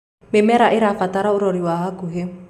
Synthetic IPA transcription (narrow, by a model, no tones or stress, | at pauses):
memɛɾaʔɪɾafataɾaoɾɔɾiwaɦakuɦe